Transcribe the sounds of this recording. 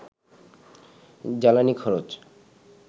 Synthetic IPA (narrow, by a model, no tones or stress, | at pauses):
d͡ʑalanikʰɔɾot͡ɕ